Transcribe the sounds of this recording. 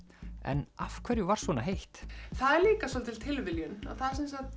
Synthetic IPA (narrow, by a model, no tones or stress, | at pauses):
ɛ̰nafkʰvɛɾjʏvaɾ̥svɔːnaɦejht̪θaðɛɾliːkasɔnt̪ʰɪlt̪ʰɪlvɪljʏna̰ðθaðsɛnsat̪